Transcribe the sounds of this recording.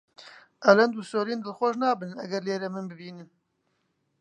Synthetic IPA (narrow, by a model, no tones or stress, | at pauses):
ʔɛlɛnd̪usoːɾiːnd̪ɨlxʷɔʃnɑːbɨnnɛ̰ɡɛɾleːɾɛmɨnbɨbiːnɨn